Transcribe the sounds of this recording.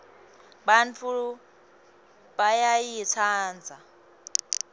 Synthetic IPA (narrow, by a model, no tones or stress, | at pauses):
bant͡fʰu | bajajit͡sʰaːnd͡zʱa